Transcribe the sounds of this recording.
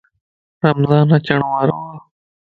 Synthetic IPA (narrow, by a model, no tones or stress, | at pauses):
ɾəmzãːnat͡ʃəɳ̃ʋaːɾõ̰ːaː